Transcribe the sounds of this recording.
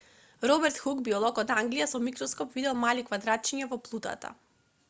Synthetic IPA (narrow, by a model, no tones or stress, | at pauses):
ɾɔbɛɾt̪xuɡbiɔlˠɔkɔt̪aŋɡlijasɔmikɾɔskɔpvid̪ɛlˠmalikvad̪ɾat̪̚t͡ʃiɲavɔplˠut̪a̰t̪a̰